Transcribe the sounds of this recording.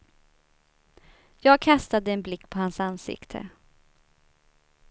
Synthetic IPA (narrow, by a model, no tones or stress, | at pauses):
jɑːɡ̚kʰast̪ad̪əɛnblɪkːpʰɔhansansɪ̰kt̪ʰə̰